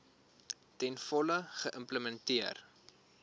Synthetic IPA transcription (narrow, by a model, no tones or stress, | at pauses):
tɛnfɔləχəʔəmpləmɛntiər